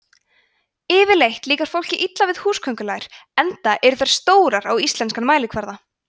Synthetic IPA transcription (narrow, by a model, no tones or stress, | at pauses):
ɪːvɪlejht̪liːkaɾ̥fowl̥cɪʔit̪lavɪðhuːskʰœŋkʏlaːɣɪɾ̥ɛnt̪aʔɛɾʏθɛɾ̥st̪oːwɾaɾawist̪lɛnskanmaːjlɪkʰvɛɾða